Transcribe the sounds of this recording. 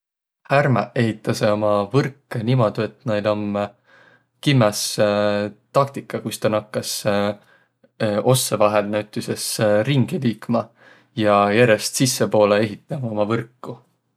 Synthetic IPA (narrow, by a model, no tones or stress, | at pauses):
hærmɑʔe̞ɦit̪ːˑɑseo̞mɑvɤrkːenimo̞d̪̥ue̞t̪nejlom | kimːes | t̪ɑk̚t̪ikːˑɑkust̪ɑnɑkːɑs | o̞sːevɑɦe̞lnæwt̪ːˑise̞sriŋɡ̥iliːkmɑ | jɑjæɾe̞st̪sisːepo̞ːlee̞ɦit̪ːˑɑmɑo̞mɑvɤrkːu